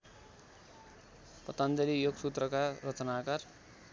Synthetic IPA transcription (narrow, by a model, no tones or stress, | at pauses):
pʌt̪ʌnd̪ʌlijoɡsut̪rʌkarʌt͡sʌnakar